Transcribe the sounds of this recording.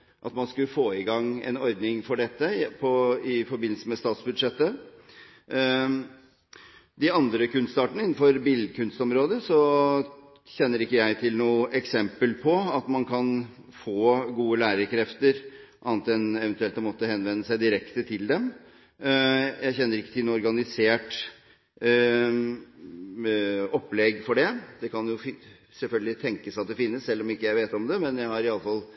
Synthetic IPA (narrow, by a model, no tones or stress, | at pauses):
ʔɑt̪mɑnskʉləfoːɪɡɑŋːɛ̰nɔɾd̪nɪŋfɔɖɛt̪ːəpʰɔɪfɔɾbɪnlsəmɛst̪ɑːt̪sbʉd̪ʂɛt̪ːə | d̪ɪɑnd̪ɾəkʉnst̪ɑːʈəɳəɪnːn̩fɔɾbɪld̪kʰʉnst̪ɔmɾoːd̪əsɔ | çɛnːəɾɪkːəjæɪt̪ʰɪlnuːəʔɛksɛmpəlpʰɔɑt̪mɑnkʰɑn | foːɡuːəlæːɾəɾkʰɾɛft̪əɾʔɑnɑt̪ɛnɛʋɛnt̪ʉɛlt̪ɔmɔt̪ːəhɛnʋɛnːəsæɪd̪ɪɾɛkt̪ət̪ʰɪld̪ɛm | jæɪçɛnːəɾɪkːət̪ʰɪlnuːɔɾɡɑnɪseːʈ | ɔpːlɛɡfɔɖɛd̪ɛkʰɑnjʊ | sɛlfœlɡəlɪt̪ʰɛŋkəsɑt̪̚d̪ɛfɪnːəssɛlːɔmɪkːəjæɪʋeːt̪ɔmd̪ɛmɛnjæɪhɑɾɪɑlːəfɑl